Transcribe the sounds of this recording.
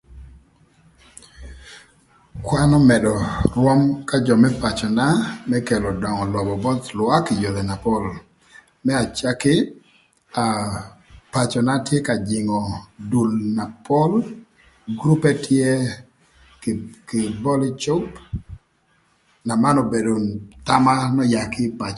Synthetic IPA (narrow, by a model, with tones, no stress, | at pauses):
kwa˦nɔ˦mɛ˨dɔ˨rwɔ˦mka˦d͡ʒɔ˨mɛ˦pa˨t͡ʃɔ˨na˦mɛ˦kɛ˨lɔ˨dɔ˨ŋɔ˨lɔ˨bɔ˨bɔ˦t̪lwa˦kɪ˨jo˨ðɛ˨na˨pɔ˦l | mɛ˦a˨t͡ʃa˦kɪ˦ | a˨ | pa˨t͡ʃɔ˨na˦tje˦ka˨d͡ʒɪ˨ŋɔ˨du˨lna˨pʰɔ˦l | ɡɾu˦pɛ˦tʰje˦ | kɪ˨bɔ˦li˦t͡ʃʊ˦p | na˨ma˦nɔ˨be˨do˨t̪a˦ma˦nɔ˦ja˨kɪ˦pa˨t͡ʃ